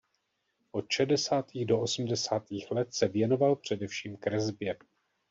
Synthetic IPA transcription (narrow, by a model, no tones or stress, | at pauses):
ʔo̞t̪ʃɛdɛsaːt̪iːɣdo̞ʔosm̩dɛsaːt̪iːxlɛt̪sɛvjɛno̞valpr̝̥ɛdɛfʃiːmkɾɛzbjɛ